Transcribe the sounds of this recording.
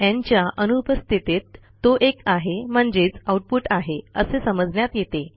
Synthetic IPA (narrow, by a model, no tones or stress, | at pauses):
ãɲt͡ɕjaʔənupəst̪ʰit̪et̪ː | oʔekaɦem̤əɳd͡ʑet͡sauʈ̚puʈaɦeəsesəməd͡znjat̪jet̪e